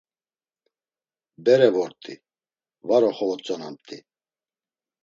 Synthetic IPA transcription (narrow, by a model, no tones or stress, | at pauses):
bɛɾɛvɔɾt̪ʼi | vaɾɔχɔvɔt͡sʼɔna̰mt̪ʼi